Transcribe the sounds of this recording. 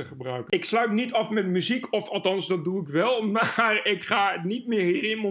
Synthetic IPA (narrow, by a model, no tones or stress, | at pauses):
əχəbrœɥkəɪkslœɥtnitɑfmɛtmyzikɔfɑlˠtɑnsdɑt̚duɪkʋɛlˠmarɪkχaːnitmɪːrɦiːrɪnmə